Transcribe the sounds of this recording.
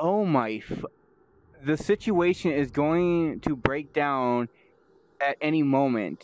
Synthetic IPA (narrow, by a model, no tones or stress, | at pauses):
oʊmaɪfʌ | ðɨsɪt͡ʃueɪʃɨ̃nɪzɡoʊɪ̃ŋtʰɨbɹeɪk̚d̥ãʊ̃n | ɨɾɛnimõʊ̃mɨ̰̃nt